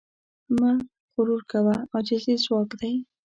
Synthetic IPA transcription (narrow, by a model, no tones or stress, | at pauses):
maɾ | ɣʊɾuɾkawaad͡ʒald̪izwɑkd̪aj